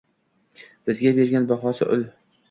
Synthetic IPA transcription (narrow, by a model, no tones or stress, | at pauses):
b̥ɪzɡʲabe̞ɾɡʲanbaχɒsɪ̰ʔʊl